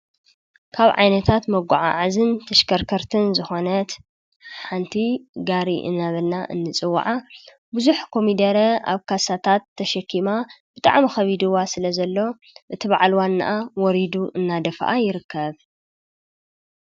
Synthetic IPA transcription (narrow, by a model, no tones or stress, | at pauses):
kʰaβʕa̰jnɐt̪ʰat̪mɐɡʷa̰ʕa̰ʕazɨnt̪ʰɐʃkɐɾkʰɐɾt̪ʰɨnzɨxo̞nɐt̪ | ħant̪ʰiɡaɾiʔɨ̰nːaβɐlnaʔɨ̰nːɨt͡sʼɨwːa̰ʕa | buzuħkʰo̞mid̪ɐɾɐa̰βkʰasat̪ʰat̪ʰːɐʃɐkːimab̥ɨt̪ʼa̰ʕmixɐβid̪ɨwasɨlɐzɐlːo̞ | ʔɨt̪ʰiβa̰ʕlwanːaʔawɔɾid̪uʔɨnːad̪ɐfʔajɪɾɨkːɐβ